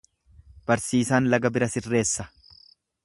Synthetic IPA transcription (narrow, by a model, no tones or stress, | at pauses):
b̥ɐɾsiːsaːnlɐɡɐbɪɾɐsɪrːe̞ːsːɐ̥